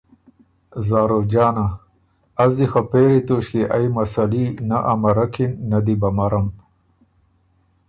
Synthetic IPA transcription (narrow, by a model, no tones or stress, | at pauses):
zaːɾod͡ʒɑːna | azd̪ixapeɾit̪oʃkeʔajmasalinaʔamaɾakʰinːad̪ibamaɾam